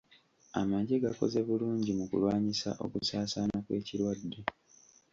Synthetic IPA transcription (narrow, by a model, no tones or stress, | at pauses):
a̰maɟeɡako̞̰ze̞βuluːɲɟimukṵlwaːɲisa̰ʔo̞̰kusaːsanakwe̞̰ːciɾwadːe̞